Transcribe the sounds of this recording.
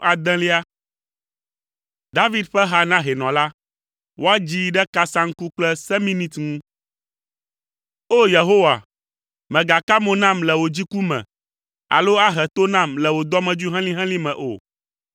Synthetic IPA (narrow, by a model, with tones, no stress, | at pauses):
a˨d̪ɛ̃˦li˦a˦ | d̪a˦vi˦d̪ɸɛ˦ɦa˦nã˦ɦɛ˨nɔ̃˨la˦ | wʔo˦a˦d͡ʑi˦ɖɛ˦ka˦sã˦ŋ̩˦ku˦k͡plɛ˦sɛ˦mĩ˦nĩ˦t̪ŋũ˦ | o˦je˨ɦo˦wa̰˨ | mɛ̃˨ɡa˨ka˦mõ˨nã˦˨mlɛ˨wo˨d͡ʑi˦ku˦mɛ̰̃˨ | a̰˨lo˦a˦ɦɛ˨t̪o˦nã˦˨mlɛ˨wo˨d̪ɔ˦mɛ̃˨d͡ʒu˦ɦɛ̃˦lĩ˦ɦɛ̃˦lĩ˦mɛ̃˨ʔo̰˨